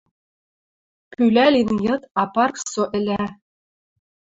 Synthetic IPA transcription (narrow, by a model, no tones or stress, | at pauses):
pylʲælʲinjɤ̆t̪ɑpɑrksoʔɘ̆lʲæ